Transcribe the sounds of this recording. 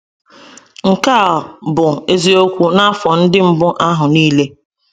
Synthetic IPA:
ŋ̩˨ka˦˨bʊ˨e˦zi˨o˦kʷu˦na˦fɔ˨n̩˦dɪ˦m̩˦bʊ˦ʔa˦ɦʊ˨niː˦le˦

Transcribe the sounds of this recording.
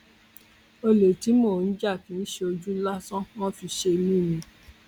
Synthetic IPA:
o˧lo˨ti˨˦moː˦˨n̩˦d͡ʒa˦˨kĩ˨˦n̩˦ʃe˧o˧d͡ʒu˦la˦sɔ̃˦wɔ̃˦fi˧ʃe˧lĩ˦˨mĩ˧

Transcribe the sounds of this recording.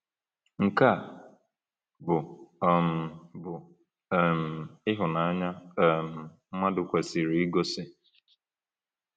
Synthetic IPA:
ŋ̩˨ka˦˨ | bʊ˨ɔ˨m̩˨bʊ˨ | m̩˨ɪ˦ɦʊ˨na˨a˦ɲa˦˨m̩˨m̩˦ma˦dʊ˨kʷa˨si˨ɾi˨˦i˦ɡo˦sɪ˦

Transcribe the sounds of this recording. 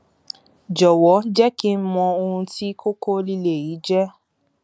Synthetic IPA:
d͡ʒɔ˨wɔ˨˦d͡ʒɛ˦ki˦n̩˦mɔ̃˧o˧hũ˧ti˦ko˦ko˦li˦le˨ji˨˦d͡ʒɛ˦

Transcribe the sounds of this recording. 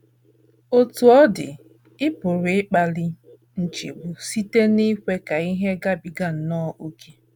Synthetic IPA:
o˦tu˨ɔ˦dɪ̰˨ | ɪ˦pʊ˨ɾɪ˦k͡pa˨li˦ | n̩˨t͡ʃḭ˨bʊ˨si˦te˦ni˦kʷe˦ka˨i˦ɦe˦ɡa˦bi˨ɡa˦n̩˨nɔ˦ʔu˦ke˦

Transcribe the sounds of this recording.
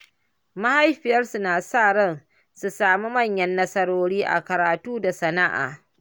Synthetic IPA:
ma˦ha˦jɸɪ˨jɐ˦rsu˦naː˨saː˦˨ɽɐ˦n | su˨saː˨mu˦mɐ˦˨ɲjɐ˦nːɐ˦sɐ˦ɽoː˦ɽiː˦ʔa̰˨kɐ˨ɾaː˨tuː˦da˨sɐ˨na˦ʔa̰ː˨

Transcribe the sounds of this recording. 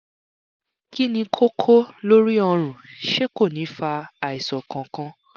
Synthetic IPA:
ki˦nĩ˧kʰo˦kʰo˦lo˦ɾi˦ɔ˧ɾ̃ũ˨ʃe˦ko˦˨nĩ˨˦fa˧a˨i˨sɔ˨kã˨kã˧

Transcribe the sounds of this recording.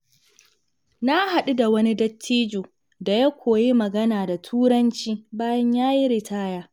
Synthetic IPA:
na˦ha˨ɗu˦da˨wɐ˦ni˦dɐ˦tʰːiː˦d͡ʒoː˨ | da˨ja˦kʷoː˨ji˦mɐ˨ɡɐ˦naː˨da˨tʰuː˦ɽɐ˦nt͡ʃiː˦baː˦jɐ˦ɲjaː˦ji˦ɾɪ˨tʰaː˦jaː˦

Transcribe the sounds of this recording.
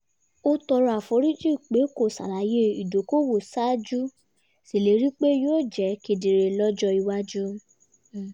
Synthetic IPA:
o˦tɔ˧ɾa˨fo˧˦ɾi˦d͡ʒi˦˨k͡pe˨˦ko˦˨sa̰˨la˨˦je˦i˨do˨˦ko˦wo˦˨sa˦d͡ʒu˦ | si˨le˨˦ɾi˦k͡pe˦joː˦˨d͡ʒɛ˨˦ke˨˧˨de˨ɾe˨lɔ˦d͡ʒɔ˧i˧wa˦d͡ʒu˦

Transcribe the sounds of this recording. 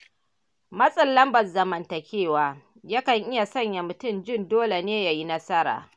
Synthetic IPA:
mɐ˦sʼɐ˦lːɐ˦mbɐ˨zɐ˨mɐ˨ntɐ˨kʲeː˦˨waː˦ | ja˦kɐ˨ŋʔɪ˦ja˨sɐ˦ɲja˨mʊ˨tʊ˦˨nd͡ʒɪ˦ndoː˦le˨neː˦ja˨ji˦nɐ˦sɐ˦ɾa̰ː˨

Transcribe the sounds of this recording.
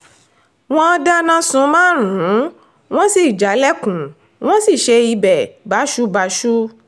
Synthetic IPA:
w̃ɔ̃˦˧da˦nã˦˧sũ˧mãː˦ɾũ˨˦ | w̃ɔ̃˦si˨d͡ʒa˨˦lɛ˦kũ˨ | w̃ɔ̃˦si˦˨ʃe˧i˧bɛ˨ba˨˦ʃu˦ba˧˦ʃu˦

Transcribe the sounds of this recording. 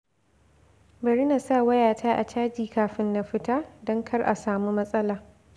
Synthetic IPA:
bɐ˨ɾɪ˦na˨sa˦wɐ˦jaː˨tʰaː˦ʔa̰˨t͡ʃaː˦d͡ʒiː˨kaː˨ɸɪ˦nːa˨ɸɪ˦taː˦dɔ˦ŋkʰɐ˦rʔa˨saː˨mu˦mɐ˦sʼɐ˦laː˨

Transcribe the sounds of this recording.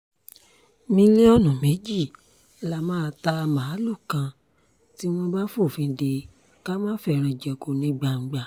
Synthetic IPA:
mĩ˧le˦ɔ˦˨nɔ̃˨me˨˦d͡ʒi˦˨ | la˨mãː˦˧ta˧mã˨˦lu˦˨kã˧ | ti˦w̃ɔ̃˧ba˦fo˦˨fĩ˧de˧ | ka˦mãː˦fɛ˧˨ɾ̃ĩ˧d͡ʒɛ˨ko˨nĩ˧˦ɡ͡ba˧ŋ̩˨ɡ͡ba˨

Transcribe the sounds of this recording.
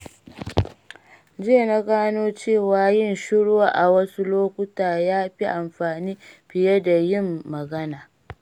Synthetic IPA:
d͡ʒeː˦˨na˦ɡaː˦noː˦t͡ʃeː˦˨waː˨jɪ˦˨nʃʊ˦ɽwaː˦ʔa˨wɐ˦su˦loː˦kʷʊ˦taː˨jaː˦ɸi˦ʔa˨mɸaː˨niː˦ɸɪ˨jɐ˦da˨jɪ˦˨mːɐ˨ɡɐ˦naː˨

